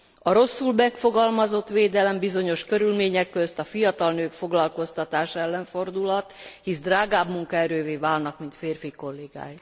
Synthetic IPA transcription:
ɒɾo̞sːulbɛkfo̞ɡɒlmɒzo̞t̪ʋeːd̪ɛlɛmbizo̞ɲo̞ʃkø̞ɾylmeːɲɛkːøst̪ɒfijɒt̪ɒlnøːkfo̞ɡlɒlko̞st̪ɒt̪aːʃɛlːɛɱfo̞rd̪ulɒt̪hisd̪raːɡaːbmuŋkɒɛɾøːveːvaːlnɒkmint̪feːrfiko̞lːeːɡa̰ːj

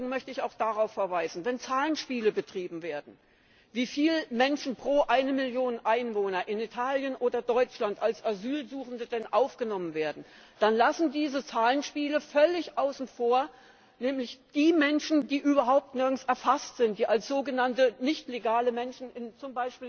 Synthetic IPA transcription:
ɡŋ̩mœçtəɪçaʊxd̥aʁaʊfːɛɐvaɪzn̩vɛnt͡saːlənʃpiːləbətʁ̥iːbm̩veːɐdn̩ | viːfiːləmɛnʃn̩pʁ̥oːʔaɪnəmɪljoːnənʔaɪnvoːnɐʔɪnitʰaːljənʔoːdɐdɔʏt͡ʃlantalsʔazyːlzuːxn̩dədɛnʔaʊfɡ̥ənɔmənveːɐdn̩ | d̥anlasn̩diːzət͡saːlənʃpiːləfœlɪçʔaʊsn̩foːɐ | nɛːmlɪçd̥iːmɛnʃn̩diːʔyːbɐɦaʊp̚tnɪɐɡn̩sɛɐfastz̥ɪntd̥iːʔalsz̥oːɡənantənɪçtleɡaːləmɛnʃn̩ɪnt͡sʊmbaɪʃpiːl

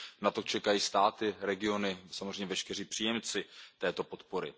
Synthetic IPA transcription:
nat̪o̞t͡ʃɛkajiːst̪aːt̪ɪɾɛɡɪo̞nɪsamozrejɲɛvɛʃkɛr̝iːpr̝̥iːjɛmt͡sɪt̪ɛːt̪o̞po̞t̪po̞ɾɪ

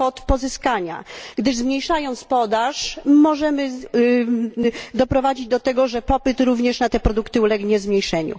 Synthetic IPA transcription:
ɔt̪pɔzɘskaɲa̰ɡd̪ɘʐzmɲejʂajɔ̃ñt̪spɔd̪aʂmɔʐɛmɘ | d̪ɔpɾɔvad͡ʑid͡ʑd̪ɔt̪ɛɡɔʐɛpɔpɘt̪ɾuvɲɛʂnat̪ɛpɾɔd̪ukt̪ɘulɛɡɲɛzmɲejʂɛɲṵ

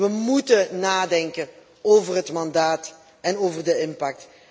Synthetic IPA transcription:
ʋəmutənaːdɛŋkə | oːvərɦətmɑndaːt | ɛnoːvərdəɪmpak̚t

